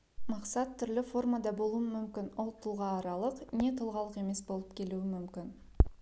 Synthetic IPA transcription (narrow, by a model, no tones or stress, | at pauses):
mɑqsɑt̪ʰːʏɾlɪfo̞rmad̪ɑbo̞lˠuwəmʏmkʲɪnwolˠt̪ʰəlˠʁɑːɾɑlˠəqne̞t̪ʰəlˠʁɑlˠəqe̞me̞sbo̞lˠəp̚kʲʰe̞luɪmʏmkʲɪn